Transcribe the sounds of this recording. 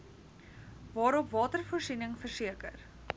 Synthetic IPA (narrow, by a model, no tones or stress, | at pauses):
vɑːɾɔpvɑːtərfuərsinəŋfərsiəkə̰r